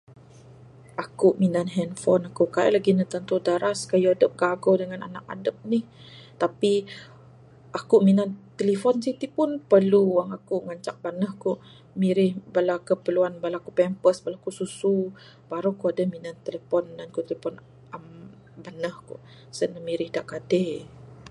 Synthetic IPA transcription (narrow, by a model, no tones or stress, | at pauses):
ʔakuʔminanɦɛnfɔnakukaa̰ʔlaɡinət̪ant̪udaɾaskajuadəp̚ɡaɡodəŋana̰na̰k̚a̰dəp̚niht̪api | ʔakuʔminant̪əlifɔnsit̪ipʊnpərluwaŋakuʔŋaɲt͡ʃak̚banəhkuʔ | miɾɪhbalakəpəluanbalakupɛmpəsbalakususu | b̥aɾukuadəhminant̪ələfɔndankut̪ələfɔn | am | banəhkṵʔ | sənəmiɾɪhdaʔkade